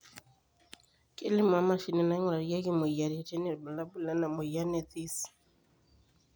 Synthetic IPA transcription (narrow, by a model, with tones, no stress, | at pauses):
kʼɪ˦lɪ˦mwa˦ma˦˨ʃi˦nɛ˨na˦ŋɔ˦˨ɾa˨ɾi˦a˦kɪ˦mʊ˨i˨a˨ɾi˨a˨tɛ˦nɛ˨ba˨la˦bu˦la˦na˨mʊ˨i˨a˦nɛ˨ti˦s